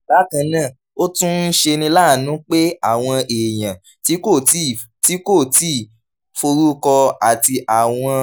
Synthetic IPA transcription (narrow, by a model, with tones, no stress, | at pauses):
ba˨˦kã˧nã˦˨ | o˦tũ˦n̩˦ʃe˧nĩ˧laː˦˨nũ˨˦k͡pe˦a˦˨w̃ɔ̃˧e˨j̃ã˨ | ti˨˦ko˦˨˦ | ti˦ko˦˨ti˦˨ | fo˧ɾu˦kɔ˧a˨ti˧ʔa˨w̃ɔ̃˧